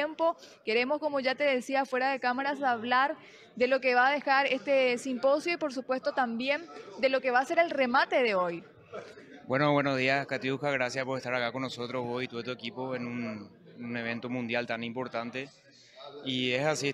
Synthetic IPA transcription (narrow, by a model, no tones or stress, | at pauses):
empo̞ke̞ɾe̞mosko̞mo̞ʝat̪e̞ðe̞siafwe̞ɾaðe̞kamaɾasaβlaɾ | ðe̞lo̞ke̞βaðe̞xaɾe̞st̪e̞simpo̞sjoipo̞ɾsupwe̞st̪o̞t̪ambje̞nd̪e̞lo̞ke̞βase̞ɾe̞lre̞mat̪e̞ðeo̞j | bwe̞noβwenozðiaskat̪iukaɣɾasjaspoɾest̪aɾakakonːoso̞t̪ɾozβojit̪uet̪uekipo̞enun | ne̞βe̞nt̪omũnd̪jalt̪anĩmpo̞ɾt̪ant̪e̞ | iesasi